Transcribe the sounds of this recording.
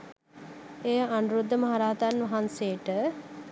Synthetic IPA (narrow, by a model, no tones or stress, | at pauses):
ejəanuɾud̪ːəmɐɦaɾaːt̪anʋɐɦansejəʈə